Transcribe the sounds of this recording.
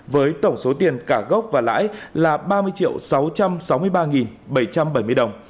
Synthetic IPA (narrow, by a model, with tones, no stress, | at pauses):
vəː˨˦jt̪ə˧˩wŋ͡mso˨˦t̪i˨˩ənkaː˧˩ɣə˦˥wk͡p̚vaː˨˩la̰ː˧˥jlaː˨˩ɓaː˧mɨ˧əjt͡ɕḭ˧˨əwsa˨˦wt͡ɕa˧msa˨˦wmɨ˧əjɓaː˧ŋi˨˩nɓə˧˩jt͡ɕa˧mɓə˧˩jmɨ˧əjɗə˨˩wŋ͡m